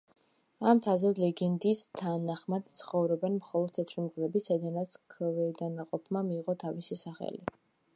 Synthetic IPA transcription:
amt̪ʰazɛd̪lɛɡɛnd̪ist̪ʰanaχmad̪̥t̪sʰχɔvɾɔbɛnmχɔlˠɔd̪̥̚t̪ʰːɛt̪ʰɾimɡlɛbisaid̪anat̪sʰkʰvɛd̪anaqʼɔpʰmamiːʁɔt̪ʰavisisaχɛ̰li

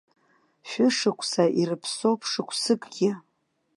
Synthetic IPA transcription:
ʃᶣʊʂɨkʷʰsaʔiɾɨpʰsopʰʂɨkʷʰsɨkʼɡʲɪ

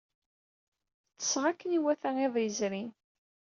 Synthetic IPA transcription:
t͡sːə̥sʁakːəniwæθæŋeðˤjəzɾin

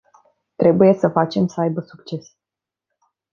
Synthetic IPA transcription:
t̪ɾe̞buje̞səfat͡ʃe̞msəajbəsukt͡ʃe̞s

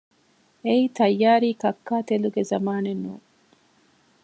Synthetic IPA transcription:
eiːt̪ɐjːaːɾiːkɐkːaːt̪eluɡezɐmaːnenːṵːŋ

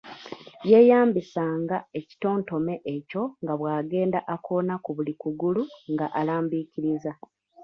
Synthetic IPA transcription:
je̞ːjaːmbisaːŋɡae̞ci̥to̞ːnto̞me̞ʔeco̞ŋɡaβwaːɡe̞ːndaʔakʰo̞ːnakuβulikuɡuluŋɡaʔalaːmbiciɾiza

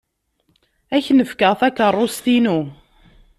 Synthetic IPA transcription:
æçnəfkəʁθækərˤːost̪inu

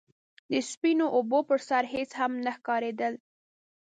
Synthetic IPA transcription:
d̪əspinoʔobopəɾsaɾɦet͡shamnaxkɑɾed̪əl

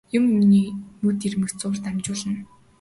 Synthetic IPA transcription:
jʊ̆mːiniːmɵt̪irmɘ̆xt͡sʊːrt̪amt͡ɕʊːɮə̆n

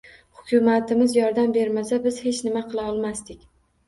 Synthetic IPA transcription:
hʊkʲʊmat̪ɪmɪzjɒɾd̪ambe̞ɾmasabɪz̥he̞t͡ʃnɪmaqʰɨlˠaɒlˠmast̪ɪkʲ

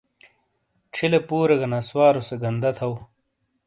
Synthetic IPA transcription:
ʈ͡ʂʰilepuːɾeɡɐnaswaːɾoseɡɐnd̪ɐt̪ʰɐw

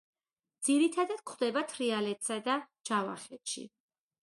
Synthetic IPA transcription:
d̪z̥iɾit̪ʰad̪ad̪̥̚kʰχd̪ɛbat̪ʰɾialɛt̪ʰsad̪a | d͡ʒava̰χɛt̪ʃḭ

